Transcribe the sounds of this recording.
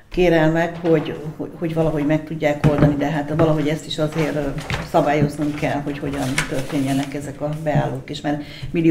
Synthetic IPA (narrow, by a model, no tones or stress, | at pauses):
keːɾɛlmɛkho̞ɟhoho̞ɟvɒlɒɦo̞ɟmɛk̚t̪uɟːaːko̞ld̪ɒnid̪ɛɦat̪vɒlɒɦoɟɛst̪iʃɒzeːrsɒbaːjo̞znuŋkɛlho̞cho̞ɟɒnt̪ørt̪eːɲːɛnɛkɛzɛkɒbɛaːlːoːkeːʃmaːr | mili